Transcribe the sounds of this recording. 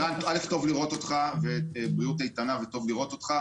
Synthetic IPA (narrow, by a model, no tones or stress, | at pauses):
antalefto̞vliʁo̞to̞t̪χavebʁiutajt̪anaveto̞vliʁot̪o̞t̪χa